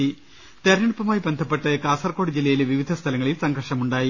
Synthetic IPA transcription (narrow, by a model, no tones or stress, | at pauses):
i | t̪ɐɾɐnɐɽupːɐmaːjibe̞nd̪ʱɐpːeʈːɨkaːsɐrko̞ːɽid͡ʑilːɐjileʋiʋid̪ʱɐst̪ʰɐlɐŋːɐɭilsɐŋɡʱɐrʂɐmuɳɖaːji